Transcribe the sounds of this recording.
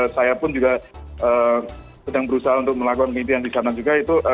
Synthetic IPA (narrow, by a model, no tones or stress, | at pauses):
sajapʊnd͡ʒuɡaə | sədaŋbəɾusaɦaunt̪ʊk̚məlakukankəint̪iandisanad͡ʒuɡait̪uʔ